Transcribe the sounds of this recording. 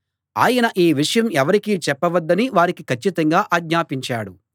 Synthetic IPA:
a̰ːjɐnɐʔiːʋiʂɐjɐmɛʋɐɾikit͡ʃɛpːɐʋɐd̪ːɐniʋaːɾikikʰɐt͡ʃːit̪ɐŋɡaːʔaːɡɲaːpiɲt͡ʃaːɽu

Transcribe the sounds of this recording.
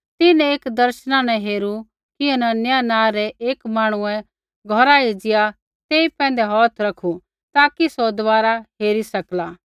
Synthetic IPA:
t̪ɪnɛ̃eːkd̪ɐɾʃnãnɛ̃ɦeːɾu | kɪɛnɛnjanãːɾɛʔeːkmaːɽ̃ʊɛ̃ | ɡʱɔɾaɦed͡ʒɪja | t̪eːipɛ̃ːn̆d̪ɛɦɔːt̪ʰɾɐkʰu | t̪aːkisɔd̪ʋaːɾaɦeːɾisɐklaː

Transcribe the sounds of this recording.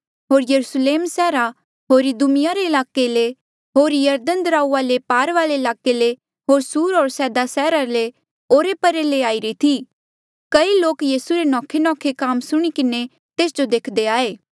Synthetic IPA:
ɦoːɾjɐɾusleːmsɛːɾa | ɦoːɾid̪umɪjaɾeɪlaːkele | ɦoːɾjɐɾd̪ənd̪əɾaːuaːlepaːɾʋaːleɪlaːkele | ɦoːɾsuːɾoːɾsɛːd̪asɛːɾale | oːɾepɐɾeleaːiɾit̪ʰi | kɐiloːkjiːsuɾenɔ̃ːkʰenɔ̃ːkʰekaːmsʊɽ̃ikɪne | t̪eːsd͡ʒod̪eːkʰd̪eaːeː

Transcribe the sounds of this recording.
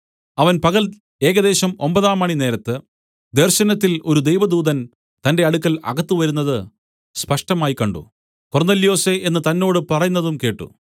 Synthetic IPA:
ɐʋɐnpɐɣɐl | e̞ːɣɐðe̞ːɕɐmo̞̰mbɐðaːmaːɳine̞ːɾɐt̪ːɨ | d̪e̞rɕɐnɐt̪ːilo̞ɾud̪e̞jʋɐd̪uːðɐn | t̪ɐnde̞ɐɽukːɐlɐ̰ɡɐt̪ːɨʋɐɾunːɐðɨ | spɐʂʈɐmaːjkːɐɳɖṵ | ko̞rneːlijo̞ːseʔe̞nːɨt̪ɐnːo̞ːɽɨpɐrɐjunːɐðumke̞ːʈːṵ

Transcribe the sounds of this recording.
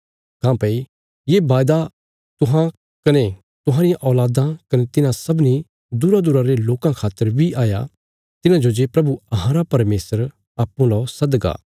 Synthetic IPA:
kãːpei | jebaːjd̪a | t̪ʊɦã | kɐne | t̪ʊɦãːɾɪjãʔɔːlaːd̪ãkɐnet̪ɪnãsɐbni | d̪uɾad̪uːɾãɾeloːkãkʰaːt̪ːəɾbʱiʔaːja̰ | t̪ɪnãd͡ʒod͡ʒeːpɾɐbuɐɦãːɾapɐɾmeːsəɾ | aːpːũlasɐd̪ɡa̰ː

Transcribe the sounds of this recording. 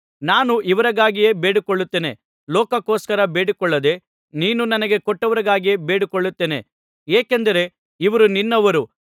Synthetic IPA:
naːnuʔiʋɐɾɐɡaːɡije̞ːbeːɽikɔɭːut̪ːeːne̞̰ | lɔːkɐkoːskɐɾɐbe̞ːɽikɔɭːɐd̪e̞ | niːnunɐnɐɡe̞kɔʈːɐʋɐɾɐɡaːɡijeːbeːɽikɔɭːut̪ːeːne̞̰ | eːkend̪ɐɾe̞ | iʋɐɾuninːɐʋɐɾu

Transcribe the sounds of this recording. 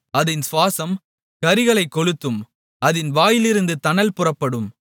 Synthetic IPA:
ɐðɪnsʋaːsɐm | kɐɾɪɣɐɭɐɪkːɔɭɯt̪ːɯm | ʔɐðɪnʋaːjɪlɪɾɯnd̪ɯt̪ɐnɐlpʊrɐpːɐɽɯm

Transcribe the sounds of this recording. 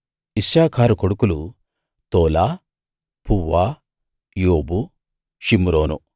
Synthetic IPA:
isjaːkʰaːɾukoɽukulu | t̪oːlaː | pʰuʋːaː | joːbu | ʃimɾoːnṵ

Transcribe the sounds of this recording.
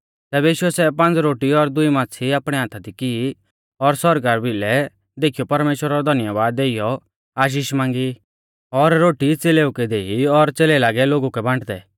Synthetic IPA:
t̪ɛːbɛiːʃuɛsɛpãnt͡sɾoːʈiɔɾd̪ʊimãːt͡sʰiaːpɽ̃ɛãːt̪ʰad̪ikii | ɔɾsɔɾɡaːɾbɪlɛ | d̪eːkʰijɔpɐɾmeːʃwəɾaɾɔd̪ʱɐnəjaʋaːd̪eːijɔ | aːʃ̬iːʃmãːŋɡi | ɔɾɾoːʈit͡seːleːukɛd̪eːiɔɾt͡seːlɛlaːɡɛloːɡukɛbʱãːɳʈd̪ɛ̰

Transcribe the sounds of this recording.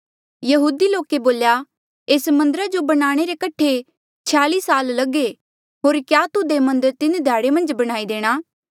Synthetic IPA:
jɐɦuːd̪iloːkeboːlja | eːsmɐ̃nd̪əɾad͡ʒobɐɽ̃aːɽ̃eɾekɐʈʰe | t͡ʃʰaːliːsaːllɐɡe | ɦoːɾkjaːt̪ʊd̪emɐ̃nd̪əɾt̪ɪnd̪ʱjaːɽemɐ̃nd͡ʒbɐɽ̃aːid̪eːɽ̃aː

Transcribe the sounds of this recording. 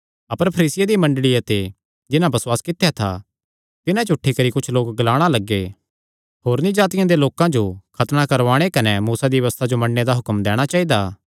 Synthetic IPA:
ɐpəɾpʰɐɾiːsɪjad̪imɐ̃ɳɖɭijat̪e | d͡ʒɪnãbɐswaːskɪt̪ːejat̪ʰa̰ | t̪ɪnãt͡ʃʊʈʰːikɐɾikʊt͡ʃʰloːkɡɐlaːɽ̃alɐɡːe | ɦoːɾnĩd͡ʒaːt̪ɪjãd̪eloːkãd͡ʒokʰɐt̪nakɐɾʋaːɽ̃ekɐnɛmuːsad̪iʋɐʋəst̪ʰad͡ʒomɐɽned̪aɦʊkəmd̪ɛːɽ̃at͡ʃaːid̪aː

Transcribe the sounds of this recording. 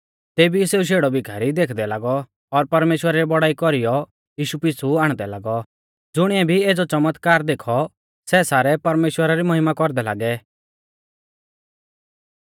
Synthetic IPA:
t̪eːbiseːuʃ̬eːɽɔbɪɡʱaːɾid̪eːkʰd̪ɛlaːɡɔ | ɔɾpɐɾmeːʃwəɾaɾɛbɔɽaːikɔɾijɔ | jiːʃupɪsuaːɽ̃d̪ɛlaːɡɔ | d͡zʊɽ̃ɪɛbʱieːd͡zɔt͡ʃɐmət̪kaːɾd̪eːkʰɔ | sɛsaːɾɛpɐɾmeːʃwəɾaɾimɔɦɪmakɔɾd̪ɛla̰ːɡɛ

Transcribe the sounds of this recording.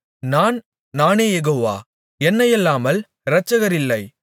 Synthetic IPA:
naːn | naːneːjɛɣoːʋa̰ː | ɛnːɐjɛlːaːmɐl | ɾɐt͡ʃːɐɣɐɾɪlːɐɪ

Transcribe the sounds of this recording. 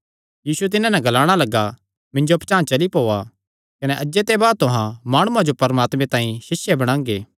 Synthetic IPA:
jiːsuet̪ɪnãnɛ̃ɡɐlaːɽ̃alɐɡa | mɪ̃ɲd͡ʒopt͡ʃãːt͡ʃɐlipoːa | kɐnɛʔɐd͡ʒet̪ebaːd̪̚t̪ʊɦãmaːɽ̃uãd͡ʒopɐɾmaːt̪mẽt̪ãːĩsɪsjebɐɽ̃ãːŋɡeː

